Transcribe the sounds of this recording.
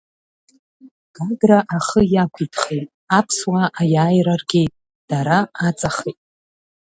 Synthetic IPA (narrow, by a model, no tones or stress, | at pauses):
ɡ̥aɡraʔaχəjakʷʰitʰχejtʼ | apʰswaʔajaːjrarɡʲetʼ | d̥aɾaat͡sʼaχejtʼ